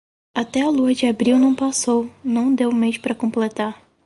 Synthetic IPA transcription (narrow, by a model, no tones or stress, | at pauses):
at̪ɛɐluɐd͡ʒɪabɾiwnɐ̃w̃pasownɐ̃w̃d̪ewmed͡ʒʊpɾɐkõmplet̪aɾ